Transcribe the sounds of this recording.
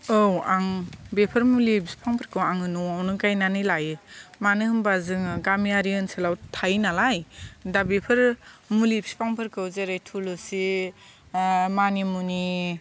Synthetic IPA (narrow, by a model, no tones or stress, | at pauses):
owaŋbepʰɐɾmulibsi̥pʰaŋpʰaɾkʰɯwaŋɯnuwawnɯkajnanɯjlajɯmanɯhɯmbazɯŋɡamiaɾiɯnselawtʰajnalajdabepʰɯɾmulibsi̥pʰaŋpʰɯɾkɯwzeɾajtʰulɯsi | manimuni